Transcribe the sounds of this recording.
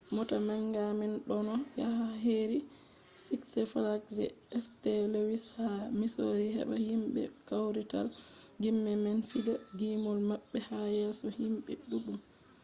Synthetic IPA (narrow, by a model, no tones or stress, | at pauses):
mɔtamaŋɡamɛnɗɔnɔjahaɦeɾi | siksɛfalaksɛ̰ɛstɛlewishamisoɾiɦɛ̰ɓahimɓɛ̰kawɾita̰l | ɡimːɛmɛnfiɡaɡimɔlmaɓːɛhajɛːsɔhimɓɛ̰ɗubum